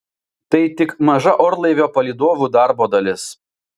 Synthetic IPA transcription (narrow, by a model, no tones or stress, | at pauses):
t̪ɐɪt̪ʲɪkmɐʒɐʔɔɾlˠɐɪʋʲoːpɐlʲiːd̪oːʋʲuːd̪ɑˑɾboːd̪ɐlʲɪs